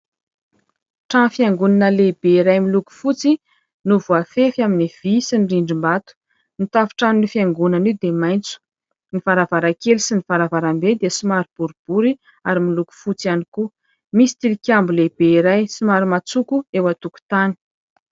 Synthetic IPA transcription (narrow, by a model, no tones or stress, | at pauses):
ʈ͡ʂafjaŋɡunanəlebeiɾajmiluku̥fut͡si | nuvuafefaminiv̥isinriɳɖ͡ʐimbat̪u̥ | nit̪avu̥ʈ͡ʂanunifjaŋɡunanid̪emajnt͡su̥ | nifaɾavaɾakelsinifaɾavaɾambed̪iəsimaɾib̥uɾub̥uɾi | aɾimiluku̥fut͡sianiku | misi̥t̪ilikʲambulebeiɾajsimaɾimat͡sukuewat̪uku̥t̪ani̥